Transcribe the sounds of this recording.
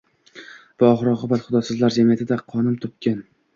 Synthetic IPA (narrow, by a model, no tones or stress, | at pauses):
b̥ʊɒʁɾɒqɨbat̪χʊd̪ɒsɨzlaɾd͡ʒamijat̪ʰɪd̪aqʰɒnɪmt̪ʰʊp̚kʲan